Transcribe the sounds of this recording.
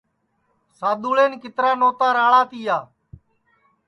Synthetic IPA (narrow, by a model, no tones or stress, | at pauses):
saːd̪uːɭeːnkɪt̪ɾaːnoːt̪aːɾaːɭaːt̪iːjaː